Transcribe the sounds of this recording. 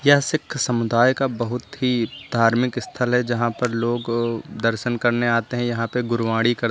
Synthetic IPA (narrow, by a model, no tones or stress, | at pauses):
jɐɦsɪkʰsɐmʊd̪aːjkabɐɦʊt̪ɦid̪ʱaːɾmɪkɪst̪ʰəlɦɛd͡ʒɐɦãpɐɾloːɡd̪ɐɾʃənkɐɾneaːt̪eɦɛ̃jɐɦãpeɡʊɾʋaːɽikɐɾ